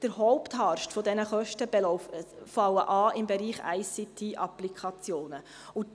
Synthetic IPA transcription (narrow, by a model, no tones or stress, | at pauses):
d̥əɾɦɔʊpt̪hɑːɾʃtfɔd̪ɛnəχœʃtəbɛlɔʊffɑwəʔɑːʔɪmbɛɾiːχæ̰ɪsit̪ʰiʔɑplikʰɑt͡sjoːnə | ʊ